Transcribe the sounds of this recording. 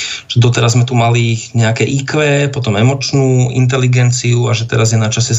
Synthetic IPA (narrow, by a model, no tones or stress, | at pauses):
ʒ̥ɛd̪ɔt̪ɛɾazmɛt̪umaliɲɛakɛːʔikʋɛːpɔt̪ɔmɛmɔt͡ʃnuːḭnt̪̬ɛliɡɛnt͡siuaʒɛt̪ɛɾazjɛnat͡ʃasɛ